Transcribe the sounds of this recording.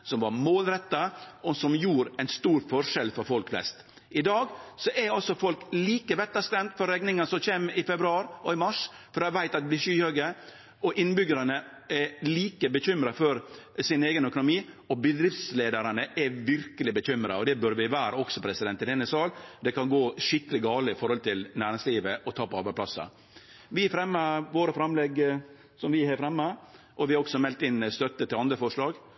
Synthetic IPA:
sɔmʋɑɾmoːlɾɛt̪ːɑɔsɔmjuːɾæɪnst̪uːɾfɔʂɛlfɔɾfɔlkflɛ̰st̪ | ɪd̪ɑːɡsɔʔɛɾɑlsɔfɔlkliːkəʋɛt̪ːɑskɾɛmt̪fɔɾɛɡnɪŋɑnsɔçeːmɪfɛbɾʉɑːɾɔɪmɑʂfɔɾɑʋæɪt̪ɑt̪d̪blɪʂyːhøɡə | ɔʔɪnbʏɡəɾɑnə | ɛliːkəbəçʏmɾɑfɔɾsɪneːɡənœkʊnʊmiːɔbəd̪ɾɪft̪sleːd̪əɾɑnəʔɛʋɪɾkəlɪbəçʏmɾɑɔd̪ɛbœɾʋɪʋæːɾəɔksɔpʰɾɛsɪd̪ɛnt̪ːɪld̪ɛnːəsɑːld̪ɛkɑnɡoːʂɪkːəlɪɡɑːləɪfɔɾhɔlt̪ʰɪlnæːɾɪŋsliːʋəʔɔt̪ʰɑːpɔɑɾbæɪpʰlɑsːɑ̰ | ʋɪæɾfɾɛmːɑʋoːɾəfɾɑmlɛɡ | sɔmʋɪhæɾfɾɛmːɑ | ʔɔʋɪhɑɾɔksɔmɛlt̪ɪnːst̪œt̪ːət̪ʰɪlɑnd̪ɾəfɔʂɭɑːɡ

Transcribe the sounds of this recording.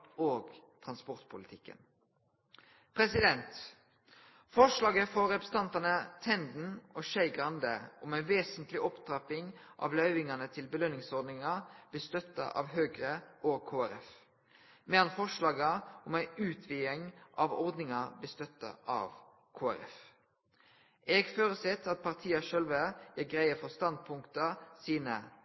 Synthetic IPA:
oːɡt̪ʰʁɑnspɔʁt̪pʰʊlɪt̪ʰɪkːə̰n | pʰɾɛsɪd̪ɛnt̪ | fɔʂlɑːɡəfɔɾɛpɾəst̪ʰɑnt̪ɑnət̪ʰɛnd̪n̩ɔʃæɪɡʁɑnd̪əɔmæɪʋeːsənt̪lɪʔɔpt̪ɾɑpɪŋʔɑ̰ʋlœʏʋɪŋɑnət̪ʰɪlbəlœnːɪŋsɔʁd̪nɪŋɑb̥̪ɪst̪œt̪ːə̰ʔɑ̰ʋɦøːɡʁəʔoːkʰoːæɾɛf | mɛːɑnfɔʂɭɑːɡəʔɔmæɪʉːt̪ʰʋiːəŋʔɑʋɔɾd̪nɪŋɑblɪst̪œt̪ːə̰ʔɑ̰ʋ | kʰoːæ̰ɾɛ̰f | ʔɛɡføːɾəsɛt̪ːɑt̪̚pʰɑʁt̪ʰiːɑʃœlʋəjæːɡʁæɪəfɔst̪ɑnd̪̚pʰʊŋkt̪əsiːnə

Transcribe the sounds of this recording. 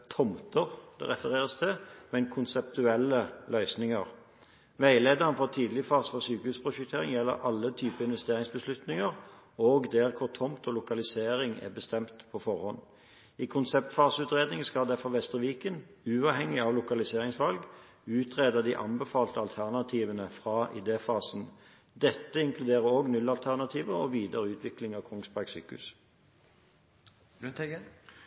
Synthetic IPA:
t̪ʰɔmt̪əʁd̪̥ɛ̰ʁɛfəʁeːʁəst̪ʰɪmɛnkʰʊnsɛpt̪ʉɛlːəlœʏsnɪŋəʁ | ʋæɪleːd̪ɑʁnfɔʁt̪ʰiːd̪lɪəfɑːʁsfɔsyːkəhʉːspʰʁʊʃʉkt̪ʰeːʁɪŋjɛlːə̰ʁʔɑlːət̪ʰyːpəɪnʋɛst̪eːʁɪŋsbəslʉt̪nɪŋəʁ | oːɡd̪ɛʁkʰʊʁt̪ʰɔmt̪ʰɔlʊkɑlɪseːʁɪŋɛ̰bəst̪ɛmt̪pʰɔfɔʁhɔn | iːkʰʊnsɛp̚t̪fɑːsʉːt̪ʁeːd̪nɪŋskɑld̪ɛfɔʋɛst̪əʋiːkən | ʉːɑːʋhɛŋːɪɑʋlʊkɑlɪseːʁɪŋsʋɑlɡ | ʉːt̪ʰʁeːd̪əd̪iːʔɑnbəfɑːlt̪əɑlt̪ʰæʁnɑt̪ʰiːʋənəfʁɑʔɪ̰d̪eːfɑːsn̩ | d̪ɛt̪ːəɪŋkʰlʉd̪eːʁəoːɡnʉlːɑlt̪ʰæʁnɑt̪ʰiːʋəʁɔʋiːd̪əʁəʉːt̪ʰʋɪklɪŋɑʋkʰʊŋspɑɡsy̰ːkʉ̰s

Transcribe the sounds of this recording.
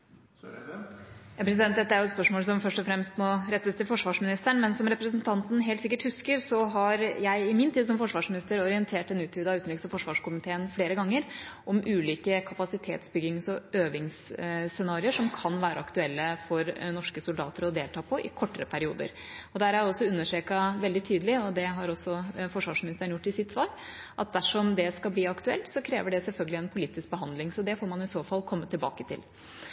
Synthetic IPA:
jɑːpʰɾɛs̬ɪd̪ɛnt̪̚d̪ɛt̪ːəæɾjʊɛt̪spœʂmoːls̬ɔmfœʂʈɔfɾɛmst̪mɔɾɛt̪ːəst̪ʰɪlfɔʂʋɑːʂmɪnɪst̪əɳmɛnsɔmɾɛpɾəsnt̪ʰɑnt̪n̩ɦeːlt̪sɪkːəʈhʉskəɾsɔɦɑɾjæɪɪmiːnt̪ʰiːd̪sɔmfɔʂʋɑːʂmɪnɪst̪əɾɔɾɪənt̪ʰeːʈɛnʉːt̪ʰʋiːd̪ɑʉːt̪nɪksɑfɔʂʋɑːʂkʊmɪt̪ʰeːənfɽeːɾəɡɑŋːəɾʔɔmʉːliːkəkʰɑpɑsɪt̪ʰḛːt̪sbʏɡɪŋsɔøːʋɪŋssɛnɑːɾɪəʂɔmkʰɑnʋæːɾʔə̰ɑkt̪ʉɛlːəfɔɾnɔʂkəsʊld̪ɑ̰ːt̪əɾɔd̪eːlt̪ʰɑːpʰɔʔɪ̰kʰɔʈːəɾəpʰæɾɪṵːd̪ə̰ɾɔd̪æɾæɾɔsːɔʉnːəʂeːkɑʋɛld̪ɪt̪ʰyːd̪əlɪɔd̪ɛɦɑɾɔsːɔfɔʂʋɑːʂmɪnɪst̪əɳjʊʈːɪsɪt̪sʋɑːɾ | ʔɑt̪̚d̪æʂɔmd̪ɛskɑlbliːɑkt̪ʉɛ̰lt̪sɔkʰɾḛːʋəɖɛsɛlfœlɡəlɪɛnpʰʊliːt̪ɪsk̚bəɦɑnd̪lɪŋsɔd̪ɛfoːɾmɑnɪsoːfɑlːkʰɔmːət̪ʰɪlbɑ̰ːkət̪ʰɪ̰l

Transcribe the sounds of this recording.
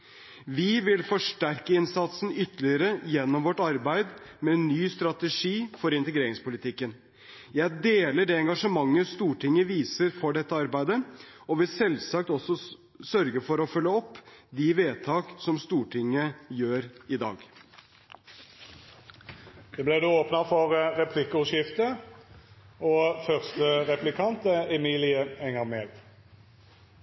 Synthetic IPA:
ʋɪʋɪlfɔʂʈæɾkəɪnsɑt̪sn̩ʏt̪ːəlɪəɾəjɛnːɔmʋɔʈːɑɾbæɪd̪mɛnːyːst̪ɾɑt̪əʂiːfɔɾɪnt̪əɡɾeːɾɪŋspʊlɪt̪ʰɪkːən | jæɪd̪eːləɖɛɛŋɡɑʂəmɑŋːəst̪uːʈʰɪŋəʋiːsəɾfɔɖɛt̪ːəɑɾbæɪd̪əɔʋɪlsɛlsɑkt̪ɔsːɔ | sœɾɡəfɔɾɔfœlːəɔpːd̪ɪʋeːt̪ʰɑːksɔmst̪uːʈʰɪŋːəjøːɾɪd̪ɑ̰ːɡ | d̪̥ɛblæd̪uːoːpnɑfɔʁʁɛpʰlɪkːəʉʃɪft̪ə | ɔfœʁst̪əʁɛplɪkʰɑnt̪əɛmiːlɪəɛŋəʁmeːl

